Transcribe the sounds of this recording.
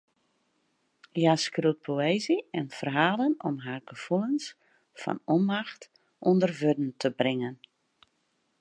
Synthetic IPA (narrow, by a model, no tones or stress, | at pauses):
jaskrut̚pʰoeːziɛnfərɦaːlənɔmɦaːrɡəv̥ulˠəns | fɔ̰nɔnmaxt | ʔondərvødn̩tʰəbrɪŋən